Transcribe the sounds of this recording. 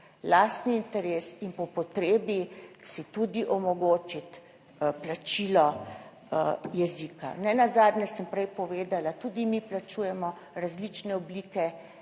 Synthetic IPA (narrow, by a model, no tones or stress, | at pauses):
last̪niːnt̪ɛɾeːsinpɔpɔt̪ɾeːbisit̪ud̪iʔɔmɔɡoːt͡ʃit̪ | plat͡ʃiːlɔ | jɛzika̰nɛnazaːd̪nɛsəmpɾɛjpɔʋeːd̪alat̪ud̪imiplat͡ʃuːjɛmɔ | ɾazlit͡ʃnɛɔblikɛ